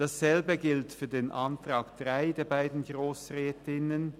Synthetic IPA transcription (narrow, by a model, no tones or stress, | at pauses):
d̥asz̥ɛlbəɡɪltfyːɐdeːnʔantʁ̥aːkd̥ʁaɪdeːɐbaɪdn̩ɡʁoːsʁɛːtɪnən